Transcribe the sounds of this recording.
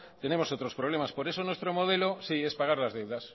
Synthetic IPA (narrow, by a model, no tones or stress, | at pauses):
t̪e̞ne̞mo̞so̞t̪ɾo̞spɾo̞β̞le̞maspo̞ɾe̞so̞nwest̪ɾomo̞ðe̞lo̞sie̞spaɣ̞aɾlazðe̞wðas